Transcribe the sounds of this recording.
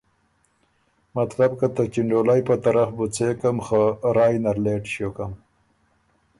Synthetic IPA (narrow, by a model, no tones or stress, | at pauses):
mat̪labkat̪akiɳɖoːlajpət̪aɾafbut͡sekamxoɾɑːjnaɾleːʈʃokam